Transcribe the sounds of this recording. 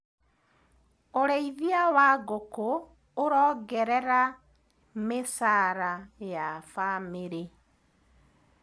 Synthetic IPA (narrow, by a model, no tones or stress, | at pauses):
oɾeiðiawaɣokoː | ɾɔːɡɛɾɛɾa | mesaɾajafameɾe